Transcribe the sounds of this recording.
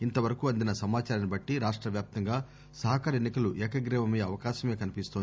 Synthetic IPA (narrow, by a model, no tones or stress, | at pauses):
int̪ɐʋɐɾɐkuɐnd̪inɐsɐmaːt͡ʃaːɾɐnibɐʈːiɾaːʂʈɾɐʋjaːp̚t̪ɐŋɡaː | sɐɦɐkaːɾenːikɐluʔɛːkɐɡɾɛːʋɐmɐjɐɐʋɐkaːʃɐme̞ːkɐnipist̪oni